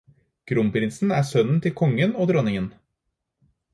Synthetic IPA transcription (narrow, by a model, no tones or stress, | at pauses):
ɡ̥ɾʊmpʰɾɪnsn̩æːsœnn̩t̪ʰɪlkʰɔŋːənoːd̪ɾɔnɪŋən